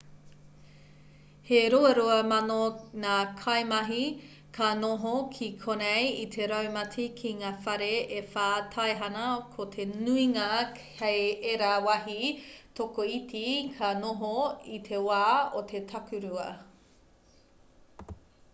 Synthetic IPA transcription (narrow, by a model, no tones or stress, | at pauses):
heɾoeɾoɐmɐnoŋaːkʰɐjmɐɦi | kʰanoɦokʰikʰonejitʰeɾawmɐtʰikʰiŋaːfɐɾeefaːtʰaeɦɐnɐkʰotʰenuiŋa | ejeɾawɐɦit̪ʰokoitʰikʰanoɦoit̪ʰe̞waːot̪ʰetʰɐkʉɾuɐ